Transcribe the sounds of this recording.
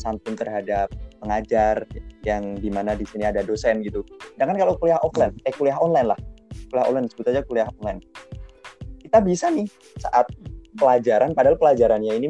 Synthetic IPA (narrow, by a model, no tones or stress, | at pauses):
sanp̪ʊnt̪ərɦadap̚ːəŋad͡ʒarjaŋdimanadisiniadadosɛnɡit̪udaŋkankalokuliahɔklankajkuliaɦɔnlajnlahkuliahɔ̰nlajnsəbʊt̪ad͡ʒakuliahɔnlajn | kit̪abisanɪh | sa̰ʔat̪̚pəlad͡ʒaɾanpadaɦalpəlad͡ʒaɾanɲaini